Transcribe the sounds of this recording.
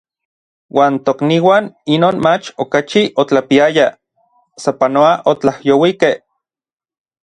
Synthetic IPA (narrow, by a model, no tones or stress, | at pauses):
waːnt̪okniwaːninoːnmat͡ʃokat͡ʃiʔot͡ɬapiaja | sapanoaʔot͡ɬahjowikeh